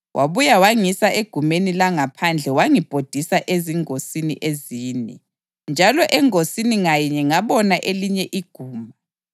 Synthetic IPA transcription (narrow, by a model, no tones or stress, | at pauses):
wʔaβujawaŋisaʔeɡ̥ʱumenilaŋapʰand͡ɮʱɛwaŋib̥ʱod̥ʱisaʔeziŋosinḭʔeziːnɛ̰ | nd͡ʒʱalɔʔɛŋosiniŋajɛɲɛŋaβɔnaʔeliɲɛʔiɡ̥ʱuːma